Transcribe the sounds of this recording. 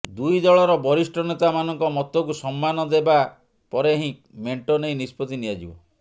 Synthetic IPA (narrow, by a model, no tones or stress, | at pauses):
d̪ujd͡ʒɔɭɔɾɔbɔɾisʈɔnet̪amanɔŋkɔmɔt̪ɔkusɔmːanɔd̪eba | pɔɾeɦĩ | meɳʈɔnejnispɔt̪inijad͡ʒibɔ̰